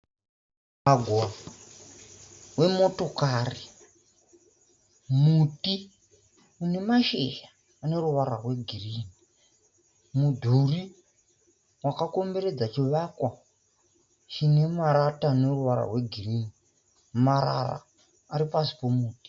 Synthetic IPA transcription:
maɡʱwa | we̞mo̞to̞kaːri | muti | une̞maʃḛjaː | ne̞ruʋaɾa̰rwe̞ɡʱiriːni | mudʱuri | wakako̞mbe̞ɾe̞d͡zat͡ʃiʋakwa | t͡ʃine̞maɾataneruʋaɾa̰rwe̞ɡʱiriːni | maɾa̰ra̰ː | ɾipasi̥pomuːti̥

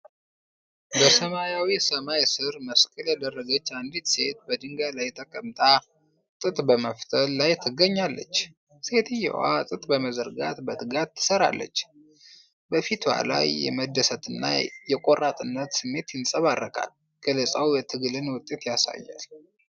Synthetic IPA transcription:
bəsəmajawisəmajsɨɾməskʼəljad̪ərːəɡət͡ʃːand̪it̪se̞t̪̚bəd̪ɨŋɡalajt̪ʰʼəkʼəmt̪ʼa | t̪ʼɨt̪ʼbəməft̪ʰəlːajt̪ʰɨɡəɲːalːə̰t͡ʃː | se̞t̪ʰɨjːɛ̰wa̰t̪ʼɨt̪ʼbəməzəɾɡa̰t̪bət̪ʰɨɡatt̪ʰːɨ̥səɾa̰lːə̰t͡ʃː | bəfit̪wa̰la̰jːɛ̰məd̪ːəsət̪ɨnːa̰jɛkʼorʔat̪ʼɨnːət̪sɨmːe̞t̪jɪnsʼəβarːəkʼa̰l | ɡ̥ələsʼawjɛt̪ʰɨɡlɨnwʊt̪ʼːe̞t̪jasa̰jːa̰l

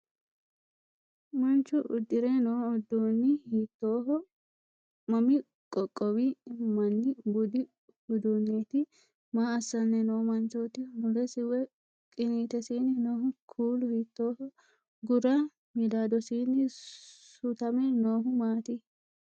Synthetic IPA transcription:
mɐnt͡ʃːʊʔʊ̰d̪ːɪɾɛnoːɔd̪oːnːɪhiːt̪ːoːɦɔ | mɐmɪ | kʼɔkʼːɔwɪmɐnːɪbʊd̪ɪ | ʊd̪unːeːt̪ɪ | maːɐsːɐnːɛnoːmɐnt͡ʃot̪ɪmʊlɛsɪwɛ | kʼɪniːt̪ɛsiːnːɪnoːɦʊkʰuːlʊhiːt̪ːoːhɔ | ɡʊɾɐ | mɪd̪aːd̪ɔsiːnːɪsʊt̪ɐmɛnoːɦʊmaːt̪ɪ

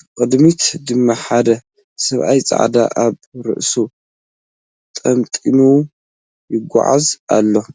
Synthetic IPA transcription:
qʼɨd̪mit̪d̪ɨmːaħad̪ɐ | sɐβʔajt͡sʼa̰ʕd̪aʔaβɾɨ̰ʔsu | t̪ʼɐmt̪ʼinu | jɪɡʷːa̰ʕa̰za̰lːo̞

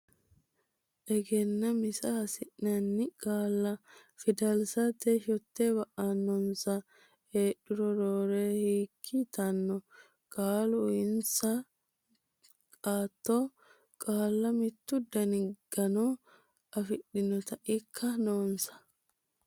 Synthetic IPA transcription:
ʔɛɡɛnːɐmɪsɐɐsɪʔnɐnːɪkʼaːlːɐfɪd̪ɐlsɐt̪eʃɔt̪ːeːbɐʔɐnːɔnsɐ | eːɗʊɾɔɾoːɾeːhiːkʰːɪt̪ɐnːɔ | kʼaːlʊɪnsɐ | kʼaːt̪ːoː | kʼaːlːɐmɪt̪ːʊd̪ɐnɪɡ̥ɐnɔ | ʔɐfɪɗɪnɔt̪ɐʔɪkʰːɐnoːnsɐ̥

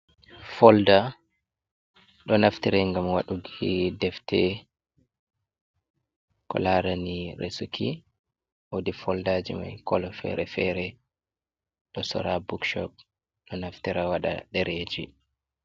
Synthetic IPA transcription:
fɔlda | ɗɔnaftiɾɛŋɡamwaɗuɡidɛftɛ | kɔ̰laɾaniɾesukʰi | wodifɔldaːd͡ʒima̰jkɔlɔfɛ̰ɾɛfɛɾɛ | ɗɔsɔ̰ɾabukʃɔ̰p̚ | ɗɔnaftiɾawaɗa̰ɗɛɾed͡ʒi

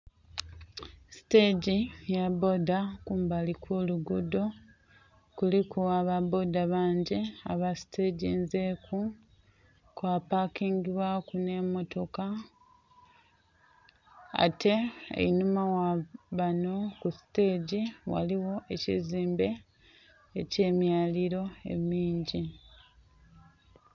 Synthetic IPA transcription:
si̥te̞ɟijabo̞dakuːmbalikʰuluɡudo̞ | kulikuaβabo̞daβaːɲɟea̰βasi̥te̞ːɟiːnze̞kʰu | kwapakiːŋɡiβwakune̞mo̞to̞ka | a̰tʰe̞ḛinumawaβano̞kusi̥te̞ːɟiwa̰liwo̞ʔe̞cḭziːmbe̞ | ece̞ːmjaːliɾo̞e̞̰miːɲɟi

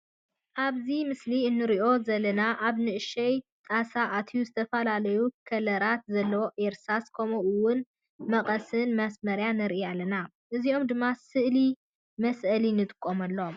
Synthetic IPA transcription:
ʔaβzimɨsliɨnːɨɾiʔo̞zɐlːɐnaʔaβnɨʔɨʃɐjt̪ʼasaʔat̪ʰijuzɨt̪ʰɐfɐlalɐjukʰɐlɐɾat̪zɐlːɐwoʔeɾsaskʰɐmoʔɨwːʊn | mɐqʼɐsɨnmɐsmɐɾjanɨɾʔialːɐna | ʔɨzio̞md̪ɨmːasɨʔli | mɐsʔɐlinɨt̪ʼɨ̥kʼːomɐlːom

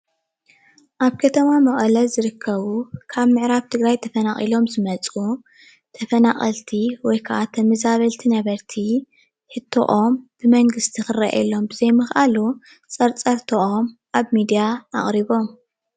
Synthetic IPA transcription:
ʔaβkʰɐt̪ʰɐmamɐχʼɐlɐlzɨɾɨkʰːɐβukʰaβmɨʕɾaβt̪ʰɨɡɾajt̪ʰɐfɐnaχʼilo̞mzɨmɐt͡sʼu | t̪ʰɐfɐnaχʼɐlt̪ʰiwɔjkʰɐʔat̪ʰɐmɐzaβɐlt̪ʰinɐβɐɾt̪ʰi | ħɨt̪ʰːo̰ʔo̞mb̥ɨmɐŋɡɨst̪ʰixɨra̰ʔɛ̰lːo̞mbɨzejmɨxʔalu | t͡sʼɐɾt͡sʼɐɾt̪ʰoʔo̞mʔaβmid̪ijaa̰χʼɾiβo̞m

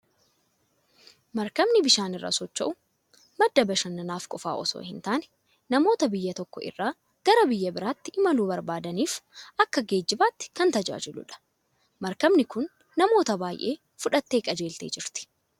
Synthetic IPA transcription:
mɐɾkɐmnɪbɪʃaːnɪrːa̰ːsɔt͡ʃːɐ̰ʔʊ | mɐd̪ːɐbɐʃɐnːɐnaːfkʼɔfa̰ːʔɔso̰ːhɪnt̪aːnɛ̥ | nɐmo̞ːt̪ɐbɪjːɐt̪ɔkːɔɪ̰rːaː | ɡ̥ɐɾɐbɪjːɐbɪɾaːt̪ːɪʔɪmɐluːbɐɾbaːd̪ɐniːfʔɐkːɐɡe̞ːd͡ʒːɪbaːt̪ːɪ̥kɐnt̪ɐd͡ʒa̰ːd͡ʒɪlʊ̰ᶑɐ̥ | mɐɾkɐmnɪkʊnː | ɐmo̞ːt̪ɐbaːjʔe̞̰ː | fʊᶑɐt̪ːe̞ːkʼɐd͡ʒe̞ːlt̪ḛːd͡ʒɪɾt̪ɪ̥

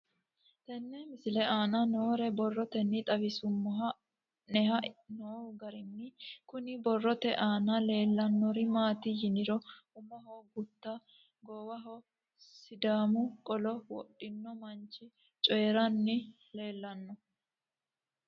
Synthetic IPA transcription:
t̪ɛnːɛmɪsɪlɛʔaːnɐnoːɾɛbɔrːɔt̪ɛnːɪt̪ʼɐbɪsʊmːɔɦɐ | nɛɦɐnoːɡɐɾɪnːɪkʊnɪbɔrːɔt̪ɛʔaːnɐle̞ːlːɐnːɔɾɪmaːt̪ɪjɪnɪɾɔʊmɐɦɔːɡʊt̪ːɐ | ɡɔwɐɦɔ | sɪd̪aːmʊkʼɔlɔwɔ̰ɗːɪnːɔmɐnt͡ʃːɪ | t͡ʃʼɔjɛɾɐnːɪ | le̞ːlːɐnːɔ

